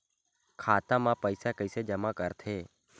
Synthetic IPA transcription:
kʰaːt̪ãːmãːpəɪsaːkəɪseːd͡ʒəmãːkəɾt̪ʰeː

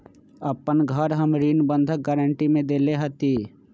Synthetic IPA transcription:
əpənɡʱəɾɦəmɾiːnbə̃nd̪ʱək̚ɡɛɾəɳʈimẽd̪eːleɦɐt̪iː

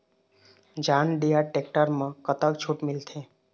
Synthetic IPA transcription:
d͡ʒaːnɖijaʈek̚ʈəɾmə̃kət̪əkt͡ʃʰuʈmɪlt̪ʰe

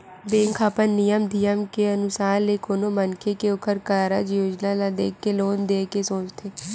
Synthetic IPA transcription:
bẽːŋkʰapənːijəmd̪ijəmkeənʊsaːɾleːkoːnoːmənkʰekeʊkʰəɾkaːɾaːd͡ʒjoːd͡ʒnaːlad̪eːkʰːeloːnd̪eːkesoːt͡ʃt̪ʰeː

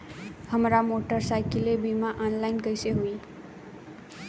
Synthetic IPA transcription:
hʌmɾamoʈʌrsajkilebimaʔʌnlajnkʌjseɦui

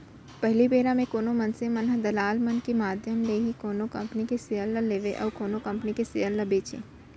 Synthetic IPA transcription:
pɛɦlipeːɾãmẽkoːnomɐnsẽmɐnɦəd̪ɐlaːlmɐnkemaːd̪ʱjəmleːɦikoːnokɐ̃mpnikesɪjəlːaleːʋeʔɔ̰ːɾkoːnokɐ̃mpnikesejəlːabeːt͡ʃḛ̃ː

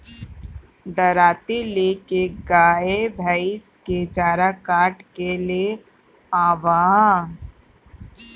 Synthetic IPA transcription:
d̪ɐɾaːt̪ileːkeɡaːebʱəɪsked͡ʒaːɾakaːʈkelie | aːʋaː

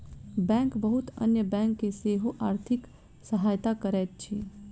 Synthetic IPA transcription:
bɛ̃ːŋkbəɦʊt̪ə̰njəbɛ̃ːŋkːeseːɦoʔaːɾt̪ʰɪk | səɦaːjt̪akəɾɛːt̪̚t͡ʃʰi

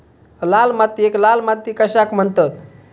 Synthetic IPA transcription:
lalmat̪ːieklalmat̪ːikəɕakm̤ənt̪ət̪

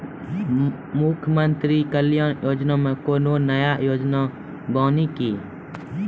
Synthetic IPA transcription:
mukʰmənt̪ɾikəlijɔ̃jod͡ʒnamɛ̃kononajaʔjod͡ʒna | bãniki

